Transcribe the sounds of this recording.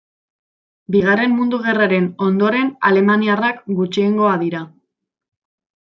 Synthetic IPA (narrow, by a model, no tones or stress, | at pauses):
biɣare̞mmund̪uɣ̞e̞raɾe̞no̞nd̪o̞ɾe̞na̰le̞maniarakɡut͡ʃie̞ŋɡo̞aðiɾa